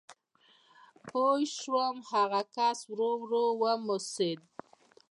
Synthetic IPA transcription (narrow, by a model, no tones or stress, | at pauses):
pojʃɾomhaɣakaswɾowɾowəmʊsed̪̚